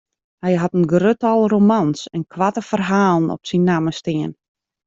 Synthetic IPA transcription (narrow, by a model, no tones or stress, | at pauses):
hɛjɦatənɡrøtɔlˠromansɛnkʰʋatəfərɦaːlˠənɔ̰psinːaːməstɪən